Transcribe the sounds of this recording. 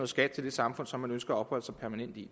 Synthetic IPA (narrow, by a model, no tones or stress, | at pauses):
o̽ð̩ˠsɡ̥æd̥̚t͡sʰe̝ld̥e̝sɑ̈mfɔ̽n̰sɒ̽mːænønsɡ̥ɐæɒ̽b̥hɒ̽l̰əsɑ̈ɪpʰæɐmænen̰d̥i